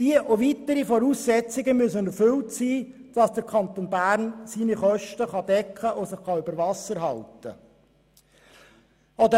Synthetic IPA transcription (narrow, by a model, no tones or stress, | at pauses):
d̥iəʔoʋit̪əɾifɔɾuːsːɛt͡sɪɡəmyəsənɛɾfʏltsiːd̥ɑsd̥əɾkʰɑnt̪onbæːɾnsiːniχœʃtəχɑd̪ɛkχəʔosəχχɑybəɾvɑsəɾɦɑltə | ɔd̪ə